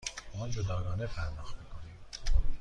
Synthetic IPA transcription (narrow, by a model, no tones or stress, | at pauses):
ɒːnd͡ʒod̪ɒːɡɒːnefʰæɾnɒːxmiːkʰonim